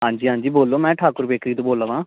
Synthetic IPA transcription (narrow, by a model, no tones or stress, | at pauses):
ɦãːɲd͡ʒiːɦãːɲd͡ʒiːboːlːoːmɛ̃ːʈʰaːkʊɾbeːkɾiːt̪õːboːləʋãː